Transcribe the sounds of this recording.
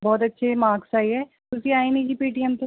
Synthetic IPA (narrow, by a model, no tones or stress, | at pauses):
bɔːt̪ɐtːʃʰemãːksaːiɦɛː | t̪ʊsiaːinid͡ʒipiːʈiɛmt̪o